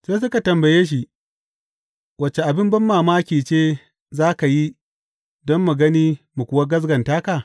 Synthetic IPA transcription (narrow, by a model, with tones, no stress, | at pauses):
seː˦s̬ʊ˦ka˨tɐ˨mbɐ˨jeː˦ʃ̬i˦ | wɐ˦t͡ʃːe˨ʔa˨bɪ˦mbɐ˦mːaː˨maː˦kʲiː˨t͡ʃeː˦ | zaː˦ka˨ji˦ | dɔ˦mːu˨ɡɐ˦niː˦mu˨kʷʊ˦wa˦ɡɐ˦s̬ɡɐ˨ntaː˦kaː˨